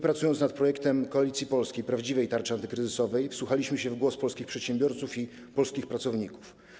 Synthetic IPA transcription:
pɾat̪sujɔnt̪snat̪̚pɾɔjɛkt̪ɛmkɔalʲit̪sʲjipɔlskʲejpɾavd͡ʑivɛjt̪aɾt͡ʂɘant̪ɘkɾɘzɘsɔvɛjfswuxalʲiɕmɘɕɛvɡwɔspɔlskʲixpʂɛt̪ɕɛmbʲjɔɾt̪sufi | pɔlskʲixpɾat̪sɔvɲiku̥f

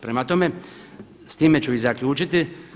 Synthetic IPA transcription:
pɾemat̪o̞me̞ | st̪iːme̞t͡ɕuizakʎʲuːt͡ʃit̪i

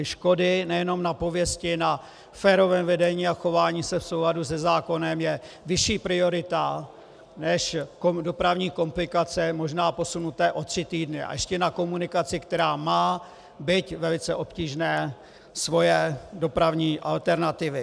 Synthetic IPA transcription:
ʃko̞dɪnɛjɛno̞mnapo̞vjɛscɪna | fɛːɾo̞vɛːmvɛdɛɲiːaxo̞vaːɲiːsɛfso̞wladusɛzaːko̞nɛmjɛ | vɪʃiːpɾɪo̞ɾɪt̪a | nɛʃkodo̞pɾavɲiːko̞mplɪkat͡sɛmo̞ʒnaːpo̞sunut̪ɛːʔo̞t̪r̝̥ɪt̪iːdnɪa̰jʔɛʃcɛnako̞munɪkat͡sɪkt̪ɛɾaːmaː | bɪt̪vɛlɪt͡sɛʔo̞pciːʒnɛː | svo̞jɛdo̞pɾavɲiːʔa̰lt̪ɛɾnat̪ɪvɪ

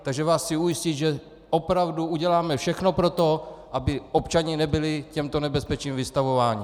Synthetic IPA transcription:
t̪aɡʒɛvaːssɪujɪscit̪ʒɛ | ʔopɾavduuɟɛlaːmɛfʃɛxno̞pɾot̪o̞ʔabɪʔopt͡ʃaɲɪnɛbɪlɪcɛmt̪onɛbɛspɛt͡ʃiːmvɪst̪avovaːɲɪ

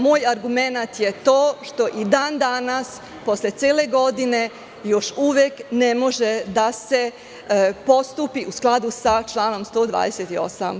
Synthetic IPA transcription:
moːjaɾɡume̞nat̪jet̪oːʃt̪o̞ʔid̪aːnd̪anas | po̞slʲe̞t̪sʲjeːle̞ɡo̞d̪ine̞ | jo̞ʃuʋjekne̞mo̞ʒed̪ase̞ | po̞st̪upiʔusklˠad̪usat͡ʃlˠaːno̞mst̪o̞ːd̪ʋa̰ːd̪eset̪io̞̰sa̰m

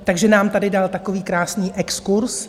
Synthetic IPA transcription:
t̪aɡʒɛnaːmt̪adɪdalt̪akoviːkɾaːsniːʔɛkskuɾs

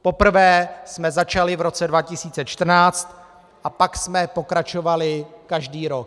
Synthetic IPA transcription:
po̞pr̩vɛːsmɛzat͡ʃalɪvɾo̞t͡sɛdvacɪsiːt͡sɛt͡ʃt̪r̩naːt͡st̪ | ʔapaksmɛpo̞kɾat͡ʃovalɪkaʒdiːɾok̚

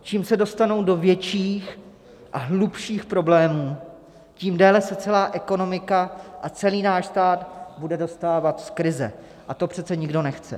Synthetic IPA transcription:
t͡ʃiːmsɛdo̞st̪ano̞wdo̞vjɛt͡ʃiːx | ʔaɦlupʃiːxpɾo̞blɛːmuː | ciːmdɛːlɛsɛt͡sɛlaːʔɛko̞no̞mɪkaʔat͡sɛliːnaːʃst̪aːd̪budɛdo̞st̪aːvat̪skɾɪzɛ̰ | ʔat̪o̞pr̥ɛt͡sɛɲɪɡdo̞nɛxt͡sɛ̰

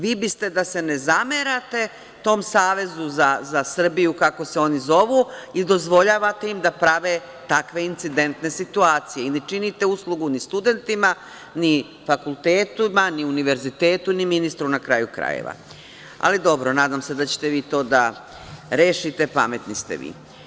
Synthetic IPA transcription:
ʋiːbist̪e̞d̪ase̞nezameɾat̪e̞ | t̪o̞ːmsaːʋe̞zuzazasr̩bijukako̞se̞o̞nizo̞ʋuid̪o̞zʋo̞ʎaːʋat̪e̞imd̪apɾaʋe̞ | t̪akʋe̞int̪sid̪e̞nt̪ne̞sit̪uaːt̪sije̞inet͡ʃinit̪e̞uslˠuɡunist̪ud̪e̞nt̪ima | ni | fakulˠt̪eːt̪umaniuniʋe̞ɾzit̪eːt̪uniminist̪ɾunakɾa̰ːjukɾa̰jḛʋa̰ | a̰lid̪o̞bɾonaːd̪amse̞d̪at͡ɕe̥t̪e̞ʋiːt̪o̞ːd̪a | ɾeːʃit̪e̞pa̰me̞t̪nist̪ḛʋḭː

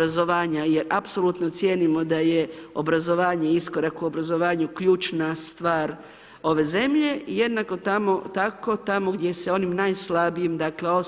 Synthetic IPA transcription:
azo̞ʋaːɲaje̞ɾapsolut̪not̪sjeːnimo̞d̪aje̞o̞̰bɾazo̞ʋaːɲe̞iskoɾakuo̞bɾazo̞ʋaːɲukʎuːt͡ʃnast̪ʋaːɾ | o̞ʋe̞ze̞mʎe̞ije̞d̪nako̞t̪amo̞t̪ako̞t̪amo̞ɡd̪ʲje̞se̞o̞nimnajslabijimd̪akle̞o

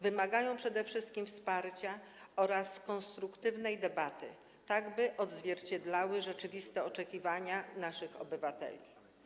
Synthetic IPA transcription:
vɘmaɡajɔ̃w̃pʂɛd̪ɛfʂɘst̪̚kʲimfspaɾt͡ɕaɔɾaskɔnst̪ɾukt̪ɘvnɛjd̪ɛbat̪ɘ̰ | t̪aɡbɘʔɔd̪zvʲjɛɾt͡ɕɛd̪lawɘʐɛt͡ʂɘvʲist̪ɛɔt͡ʂɛkʲivaɲanaʂɘxɔ̰bɘvat̪ɛ̰lʲi

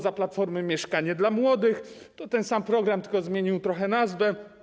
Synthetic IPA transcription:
zaplat̪fɔɾmɘmʲjɛʂkaɲɛd̪lamwɔd̪ɘx | t̪ɔt̪ɛnsampɾɔɡɾamt̪ɘ̥kɔzmʲjeɲiwt̪ɾɔxɛnazvɛ

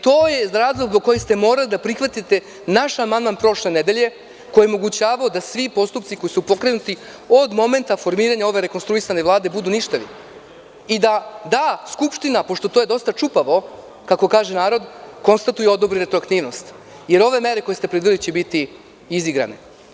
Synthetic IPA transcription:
t̪o̞ːjeɾaːzlˠoɡzboko̞jist̪e̞mo̞ːɾalid̪apɾixʋat̪it̪e̞ | naʃamand̪manpɾo̞ʃle̞ne̞d̪eʎe̞ | ko̞jeo̞mo̞ɡut͡ɕaːʋaod̪asʋipo̞st̪up̪siko̞jisupo̞kɾe̞nut̪i | o̞d̪mo̞me̞nt̪afo̞ɾmiːɾaɲao̞ʋe̞ɾe̞konst̪ɾuisane̞ʋlˠaːd̪e̞bud̪uniʃt̪aʋḭ | id̪ad̪askupʃt̪inapo̞ʃt̪o̞t̪oje̞d̪o̞st̪at͡ʃupaʋo̞ | kako̞kaːʒenaːɾo̞d̪ko̞nst̪at̪ujeo̞d̪obɾiɾe̞t̪ɾoakt̪iːʋno̞st̪ | je̞ɾo̞ʋe̞me̞ɾe̞ko̞je̞st̪e̞pɾid̪ilit͡ɕebit̪i | iziɡɾa̰ne

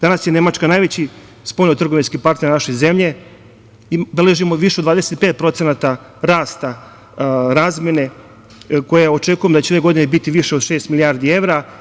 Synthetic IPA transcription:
d̪anasjene̞mat͡ʃkanaːjʋet͡ɕi | spoʎnot̪r̩ɡoʋinskipaɾt̪neɾnaʃo̞ze̞mʎe̞ | ibeleʒimoʋiʃeod̪ʋaːd̪eset̪̚pe̞ːt̪̚pɾo̞t̪se̞nat̪a | ɾaːst̪a | ɾaːzmʲjene̞ | ko̞jeo̞t͡ʃe̞kujemd̪at͡ɕeʋe̞ɡo̞d̪inebit̪iʋiʃeo̞d̪ʃe̞ːst̪miliaɾd̪ie̞ʋɾa

